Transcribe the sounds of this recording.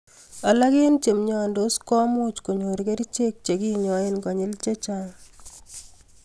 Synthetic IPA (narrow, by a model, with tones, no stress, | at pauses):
a˨la˦ɡe˦nt͡ʃe˨mɲɔ˨ndo˦skɔ˦mʊ˦t͡ʃko˨ɲo˨ɾke˦ɾi˦t͡ʃe˦k̚t͡ʃe˨ɡi˦ɲɔ˨ɪ˦nkɔ˨ɲɪ˦lt͡ʃe˦t͡ʃa˦˨ŋ